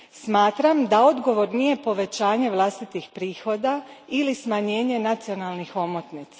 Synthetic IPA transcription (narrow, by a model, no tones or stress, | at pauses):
smaːt̪ɾamd̪ao̞d̪ɡo̞ʋo̞ɾnije̞po̞ʋe̞t͡ɕaːɲe̞ʋlˠast̪it̪ixpɾiːxo̞d̪a | ilismaɲe̞ːɲe̞nat̪sio̞nalnixo̞mot̪nit̪sḁ